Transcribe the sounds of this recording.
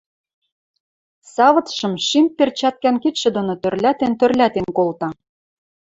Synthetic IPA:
sɑβɤ̆t̪ʃɤ̆mʃimpert͡ɕæt̪̚kænkit̪ʃĕd̪onot̪ørlæt̪ent̪ørlʲæt̪enkolt̪ɑ

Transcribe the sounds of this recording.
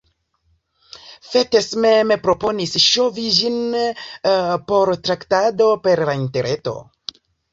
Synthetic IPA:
fetesmemepɾo̞po̞nisʃo̞vid͡ʒin | po̞ɾtɾaktado̞pe̞ɾlainte̞ɾʔeto̞̰

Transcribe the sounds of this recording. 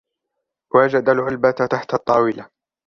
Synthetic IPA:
waːd͡ʒad̪alʕʊlbat̪t̪aħt̪ɑt̪ˤːɑːwɪla

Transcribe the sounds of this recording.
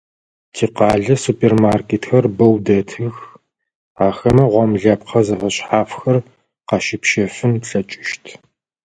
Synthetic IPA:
tʰiːqɑːɮɐsupʰʼeːrmaːrkʰeːtxɐrbɐwdɐtʰɨx | aːxɐmɐʁʷɔmɮɐpqʰɐzɨʁɐɕħaːfxɐr | qɑʃɪpʃɐfɨnɬʼɐt͡ʃʼɪʃtʰ

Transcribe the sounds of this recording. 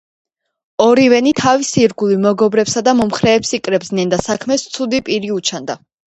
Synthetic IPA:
ɔɾivɛnit̪ʰavisiɾɡulimɔɡɔbɾɛpsad̪amɔmχɾɛːpsikʼɾɛbznɛnd̪asakʰmɛst̪sʰud̪ipʼiɾiut͡ʃʰand̪a

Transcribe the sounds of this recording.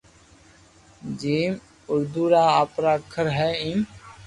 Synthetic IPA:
d͡ʒiːm | ʊɾd̪uːɾaːaːpɾaːkʰəɾɦɛːĩːm

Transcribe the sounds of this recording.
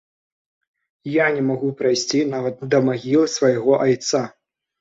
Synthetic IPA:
janʲɛmaɣupɾajsʲt͡sʲinavɐt̪̚d̪ɐmaɣʲilˠɨsvɐjɣɔʔajt̪sa

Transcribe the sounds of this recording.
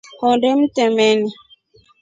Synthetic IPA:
hɔdem̩tɛmɛni

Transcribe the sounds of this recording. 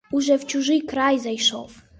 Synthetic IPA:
uʐɛft͡ɕuʐɨkɾajzajʂɔ̰f

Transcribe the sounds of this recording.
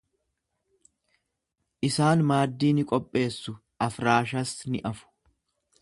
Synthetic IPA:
ʔɪsaːnmaːd̪ːiːnɪkʼɔpʼːe̞ːsːʊ | ʔɐfɾaːʃɐsnɪ̰ʔɐfʊ̥

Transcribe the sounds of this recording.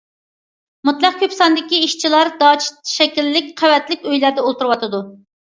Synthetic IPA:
mut̪lˠɑq̚kʲʰøpsɑnd̪ɪkʲiiʃt͡ʃʰilˠɑɾd̪ɑt͡ʃʰt̪ʃɛkʲilːɪk̚ʲqʰæwɛt̪lɪkʲøjlæɾd̪ɛolˠt̪uɾɨwɑt̪ɨd̪u

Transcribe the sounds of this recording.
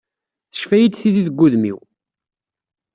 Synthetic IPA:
θə̥ʃfæjəd̪θiðiðəɡːuðmḭw

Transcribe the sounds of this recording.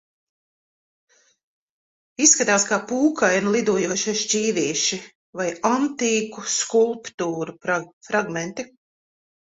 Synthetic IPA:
isːkat̪aːskaːpuːkajnulˠid̪uɔjuɔʃaʃcʲiːviɛʃi | vajant̪iːkuskulˠpt̪uːɾufɾaɡmɛnt̪i

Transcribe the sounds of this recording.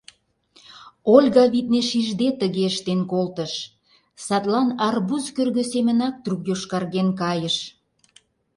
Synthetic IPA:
olʲɣɑβit̪̚neʃiʒd̪et̪əɣeəʃt̪enkolt̪əʃ | sɑt̪lɑnɑrbuzkørɣøsemə̆nɑk̚t̪rukjoʃkɑrɣenkɑjəʃ

